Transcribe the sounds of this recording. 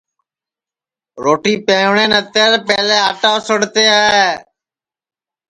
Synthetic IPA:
ɾoːʈiːpẽːʋɳeːnət̪eːɾpɛːleːaːʈaːsəɽt̪eːaeː

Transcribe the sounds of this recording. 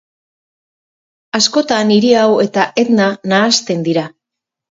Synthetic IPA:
asko̞t̪aniɾiawe̞t̪ae̞t̪nanaːst̪e̞nd̪iɾa

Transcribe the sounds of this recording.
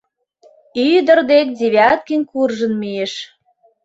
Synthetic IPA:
yd̪ə̆rd̪ek̚d̪ʲeβʲɑt̪̚kinʲkurʒə̆nmijeʃ

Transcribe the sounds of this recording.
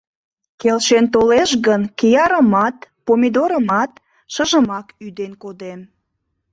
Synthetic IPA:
kelʃent̪oleʃɣənkejɑɾəmɑt̪pomʲid̪oɾəmɑt̪̚ | ʃəʒəmɑkyd̪enkod̪em

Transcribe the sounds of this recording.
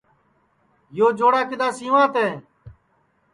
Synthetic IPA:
joːd͡ʒoːɽaːkɪd̪aːsĩːʋãːt̪eː

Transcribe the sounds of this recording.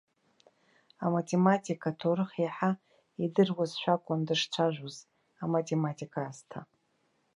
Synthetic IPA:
amatʰʼematʰʼikʰʼatʰorɨχiħa | idɨrwazʃʷᶣakʷʼʊndɨʂt͡ʃʷʰaʒᶣʷoz | amatʰʼematʰʼikʰaːztʰa

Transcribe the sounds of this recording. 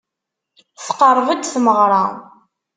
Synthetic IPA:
θqərˤːvəd̪θməʁɾˤɑ

